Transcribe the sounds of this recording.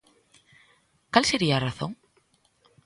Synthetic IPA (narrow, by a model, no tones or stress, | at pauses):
kalseɾiaːraθõ̰ŋ